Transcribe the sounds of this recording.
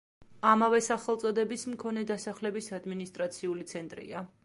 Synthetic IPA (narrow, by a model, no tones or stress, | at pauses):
amavɛsaχɛlˠt̪sʼɔd̪ɛbismkʰɔnɛd̪asaχlɛbisad̪minist̪ʼɾat̪sʰiulit̪sʰɛnt̪ʼɾḭa